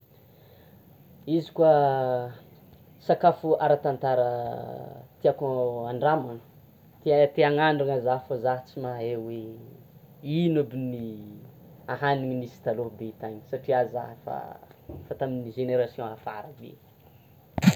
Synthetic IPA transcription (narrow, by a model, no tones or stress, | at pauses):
izi̥kua | sakafuaɾat̪ant̪aɾə | t̪iakoaɳɖ͡ʐamanə | t̪eat̪eaŋaɳɖ͡ʐuŋazaɦfozaɦt͡simaɦewe | inubini | aɦaniŋinisi̥t̪alobeit̪aɲi̥saʈ͡ʂiaza̰ɦəfa̰fat̪aminiʒeneɾasiõafa̰ɾəbḛ